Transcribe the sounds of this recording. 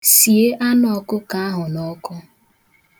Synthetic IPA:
si˨e˦ʔa˦nɔ˨˦kʊ˦ka˦a˦ɦʊ˨nɔ˦kʊ˦

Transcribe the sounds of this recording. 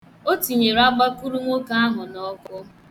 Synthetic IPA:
o˦ti˨ɲe˨ɾa˦ɡ͡ba˦ku˦ɾu˦ŋʷo˦ka˦a˦ɦʊ˨nɔ˦kʊ˦

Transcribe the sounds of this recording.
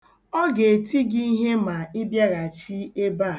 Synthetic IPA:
ɔ˦ɡe˨e˨ti˦ɡi˦i˦ɦe˦ma˨ɪ˦bja˦ɾa˨t͡ʃi˦e˦ba˦˨

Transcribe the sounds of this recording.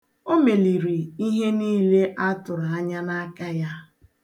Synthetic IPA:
o˦me˨li˨ɾi˨i˦ɦe˦niː˦le˦ʔa˦tʊ˨ɾa˨a˦ɲa˦na˦ka˦ja˦

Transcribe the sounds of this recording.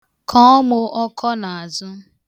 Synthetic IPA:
kʰɔ˦ɔ˦mʊ˦ʔɔ˦kʰɔ˦na˨a˨zʊ˦

